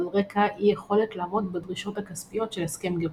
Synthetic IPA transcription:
lʁe̞kaʔijeχo̞le̞tlaːmo̞t̪bedʁiʃo̞thakaspijo̞tʃe̞leske̞mɡe

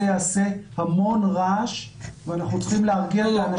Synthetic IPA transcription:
jaːse̞hamo̞nʁaʃveanaχnut͡sχimleaʁɡialeana

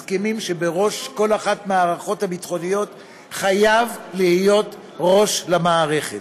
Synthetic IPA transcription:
skemimʃe̞beʁo̞ʃko̞laχatmeaʁaχo̞thabit̪χo̞nijo̞t̪ | χajavlihijo̞t̪ | ʁo̞ʃlamaːʁe̞χe

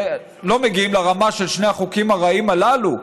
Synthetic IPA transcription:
lo̞meɡiimleʁamaʃelʃneaχukimaʁaimalalu

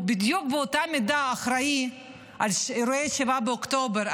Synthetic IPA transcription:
bid̪juk̚beot̪amid̪aːχɾai | ʔalʃɾoeʃevabeokt̪obeɾ

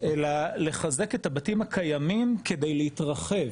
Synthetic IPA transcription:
ʔe̞lale̞χaze̞ke̞tabatimakʰajamimke̞de̞jleitʁaχe̞v

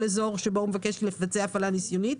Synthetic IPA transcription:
lezo̞ʁʃeboumevake̞ʃlefat͡seaːfalanisjonit

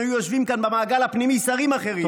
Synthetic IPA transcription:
ajujoʃvimkanbemaːɡalhapnimisaʁimaχe̞ʁi

